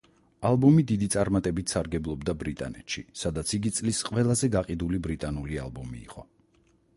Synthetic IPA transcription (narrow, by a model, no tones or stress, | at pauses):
alˠbɔmid̪id̪it̪sʼaɾmat̪ʼɛbit̪ʰsaɾɡɛblˠɔbd̪abɾit̪ʼa̰nɛ̰t̪ʃḭsad̪at̪sʰiɡit̪sʼlisqʼwɛlˠazɛɡaqʼid̪ulibɾit̪ʼanulia̰lˠbɔmḭːqʼɔ